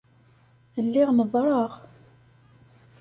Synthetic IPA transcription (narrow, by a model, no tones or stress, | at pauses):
əlːiʁnəðˤɾˤɑʁ